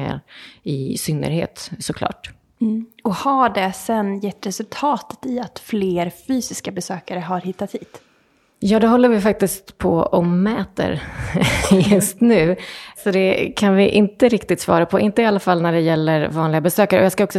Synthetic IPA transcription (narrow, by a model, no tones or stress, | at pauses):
a̰ɾɪsʏnːə̰ɾhḛːt̪sɔkʰlɑ̰ːʈ̩ː | ɔhaɖɛsɛnjɛt̪ːɾɛsɵlt̪ʰɑːt̪ə̥t̪ɪat̪fleːɾfyːsɪskabɛsøːkaɾəɦaɾhɪt̪ːat̪hiːd̪̥ | jɑːd̪ɛɦɔlːəɾvɪfak̚t̪ɪskt̪pʰɔ̰ɔmːɛːt̪ə̰ɾ | jɵst̪nʉ̟ːsɔd̪ɛkʰanvɪʔɪnt̪əɾɪkt̪ɪt̪svɑ̰ːɾapʰɔʔɪnt̪əɪalːafalːnæɖɛjɛlːəɾvɑːnlɪɡabɛsøːkaɾəɔjɑːskaɔksɔ